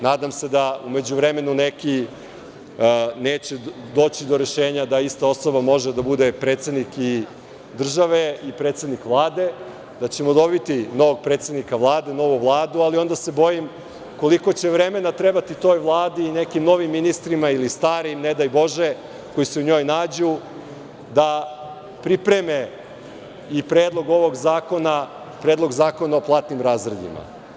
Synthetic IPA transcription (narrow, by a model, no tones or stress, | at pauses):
naːd̪amse̞d̪aume̞d͡ʑuʋɾeme̞nuneki | neːt͡ɕe | d̪o̞ːt͡ɕid̪o̞ɾeʃeːɲad̪aist̪ao̞so̞bamo̞ʒed̪abud̪e̞pɾet̪sed̪niki | d̪r̩ʒaʋe̞ipɾet̪sed̪nikʋlˠaːd̪e̞ | d̪at͡ɕe̞mo̞d̪o̞bit̪ino̞ʋoɡ̚pɾet̪sed̪nikaʋlˠaːd̪e̞no̞ʋuvlˠaːd̪ualio̞nd̪ase̞bo̞jim | ko̞liko̞t͡ɕe̞ʋɾe̞me̞nat̪ɾe̞bat̪it̪o̞ːjʋlˠaːd̪iːne̞kimnoʋimːinist̪ɾimailist̪aːɾimne̞d̪ajbo̞ʒe | ko̞jiseuɲo̞ːjnaːd͡ʑu | d̪a | pɾipɾeme̞ | ipɾe̞ːd̪lˠo̞ɡo̞ʋoɡzaːko̞na | pɾeːd̪lˠo̞ɡzaːko̞naoplˠaːt̪nimɾaːzɾed̪ḭma̰